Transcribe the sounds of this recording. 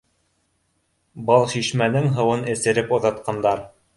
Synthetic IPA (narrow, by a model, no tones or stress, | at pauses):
bɤlˠʃiʃmænɘŋɦɤ̆wɤnɘ̆sɘ̆ɾɘpŏðɑt̪qɑnd̪ɑɾ